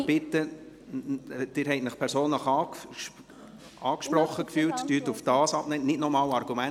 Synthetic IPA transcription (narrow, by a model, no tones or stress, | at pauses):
b̥ɪt̪ːə | d̥ɪɾɦɛɪtnəχpʰɛɾsoːnləχɑː | ɑːkʃprɔχːəkfyːltdyːt̪ufd̥ɑːsɑb̥nɛːnɪdnɔmɑːlɑrɡ̥umæn